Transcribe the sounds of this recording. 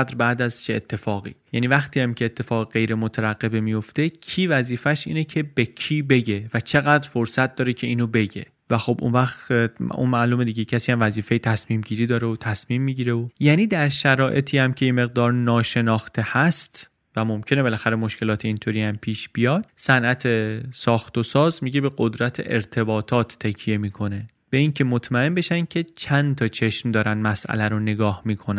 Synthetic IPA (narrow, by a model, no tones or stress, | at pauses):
d̪ɾbæːd̪æzt͡ʃʰeet̪ʰːe̞fɒːɣḭːjæːnivæxt̪ʰiːæmcʰe̞ːt̪ʰːe̞fɒːɣeɢe̞jɾe̞mot̪ʰæɾæɣːe̞bemijo̞ft̪e̞cʰiːvæziːfæʃʔḭːnecʰe̞becʰiːbe̞ɟe̞væt͡ʃʰe̞ɣæːd̪ɾfo̞ɾsæt̪̚d̪ɒːɾe̞cʰe̞iːnobe̞ɟe̞̰ | væxo̞bʔṵnvæxt̪ṵnmæʔluːme̞d̪iːɟecʰæsiːæmvæziːfejet̪ʰæsmiːmɟiːɾiːd̪ɒːɾeot̪ʰæsmiːmːiɟiːɾeojæːniːd̪æɾʃæɾɒːʔe̞t̪ʰiːæmcʰe̞je̞me̞ɣ̚d̪ɒːɾnɒːʃe̞nɒːxt̪ʰe̞hæst̪ | væmo̞mcʰe̞ne̞be̞læxæɾemo̞ʃce̞lɒːt̪ʰeint̪ʰoɾiːæmpʰiːʃb̥ijɒːd̪̥̚sænʔæt̪ʰe̞sɒːxt̪osɒːzmiɟe̞be̞ɡod̪ɾæt̪ʰḛʔeɾt̪ʰe̞bɒːt̪ʰɒːt̪ʰːecʰije̞miːkʰo̞ne̞ | b̥e̞iŋcʰe̞mot̪ʰmæe̞nbe̞ʃæncʰe̞t͡ʃʰænt̪ʰɒːt͡ʃʰe̞ʃmd̪ɒːɾænd̪mæsʔæ̰læɾone̞ɡɒːhmiːkʰonæ